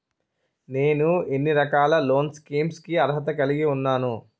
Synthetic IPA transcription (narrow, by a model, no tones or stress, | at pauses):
ne̞ːnuenːiɾɐkaːlɐlo̞ːnskiːmskiɐɾɦɐt̪̬ɐkɐliɡiunːaːnu